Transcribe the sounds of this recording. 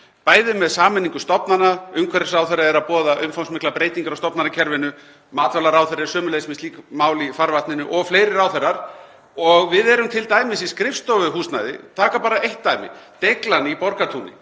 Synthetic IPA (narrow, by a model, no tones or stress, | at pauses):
paːjðɪmɛðsaːmɛnːiŋkʏst̪ɔpnanaʏmkʰvɛɾɪsawθɛrːaɛɾaðpɔːðaʔʏmfawnsmɪhklapɾeːjt̪iŋkaɾawst̪ɔpnanacʰɛɾvɪnʏ | maːt̪vɛlaɾawθɛɾɪsœːmʏlejsmɪnstliːkmaːwlifaɾvat̪nɪnʏʔɔɣfleːjɾɪɾawθɛrːaɾ̥ | ɔɣvɪðɛɾʏmt̪ʰɪlt̪aːjmɪsiskɾɪfst̪ɔvʏɦuːst̪najðɪ̰t̪ʰaːkapaːɾaejht̪ːajmɪ̰t̪ejklanipɔɾkat̪ʰunɪ̰